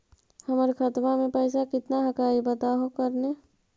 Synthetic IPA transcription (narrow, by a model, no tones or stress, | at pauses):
həməɾkʰət̪mamẽpəɪs̬akɪt̪naɦəkaːibət̪aɦokəɾne